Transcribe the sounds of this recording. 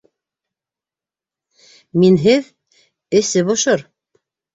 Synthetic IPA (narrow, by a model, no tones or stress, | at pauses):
minɦɘð | ɘ̆sɘβŏʃoɾ